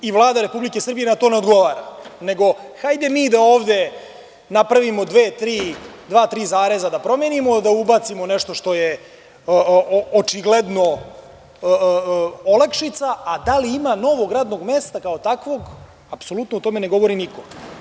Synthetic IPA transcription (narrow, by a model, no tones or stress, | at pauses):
iʋlˠaːd̪aɾe̞publike̞sr̩bijenat̪oneod̪ɡo̞ʋaːɾane̞ɡo̞xajd̪e̞miːd̪aoːʋd̪e̞ | napɾaʋimo̞d̪ʋeːt̪ɾiːd̪ʋaːt̪ɾiːzaːɾe̞zad̪apɾo̞menimo̞d̪aubat̪simo̞nɛʂt̪o̞ʃt̪o̞je | ot͡ʂiɡled̪no | ə | olakʂit̪saad̪aliimano̞ʋoɡɾaːd̪no̞ɡme̞ːst̪akaot̪akʋo̞ɡ | apso̞lut̪nout̪o̞me̞ne̞ɡo̞ʋo̞ɾiniko̞